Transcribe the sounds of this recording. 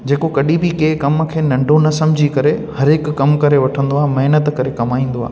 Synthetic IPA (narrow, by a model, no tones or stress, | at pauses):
d͡ʑeːkokɐɗʱĩbɪkeːkɐmkʰeːnɐ̃ɳɖʱonɐsɐ̃mɪd͡ʑʱikɐɾehɐɾɪkːɐmkɐɾeʋɐʈʰə̃nd̪oaːɦemɐɦnət̪kɐɾekɐmaːĩːn̆d̪oa̰ːɦ